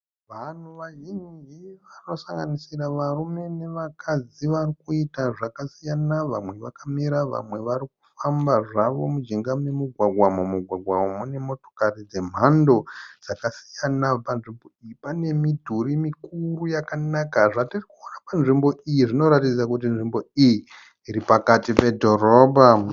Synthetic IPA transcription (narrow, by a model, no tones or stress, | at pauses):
ʋan̤uʋaɦiɲiɦiʋano̞saŋɡanisiraʋarume̞ne̞ʋakʰad͡ziʋarikuitaʐakasijanaʋamwe̞ʋakamiɾaʋa̰mwe̞ʋaɾiku̥fambaʐaʋo̞mud͡ʒiŋɡamemuɡʱwaɡʱwamomuɡʱwaɡʱwamomune̞mo̞to̞̥karid͡ze̞m̤ando̞d͡z̥akasi̥janapanʐimbo̞ijipane̞midʱuɾimikurujakanakaʐatirikuonapanʐimbo̞ijiʐino̞ɾatid͡zakut̬inʐimbo̞ijiː | ɾipakatipe̞dʱo̞roːbʱa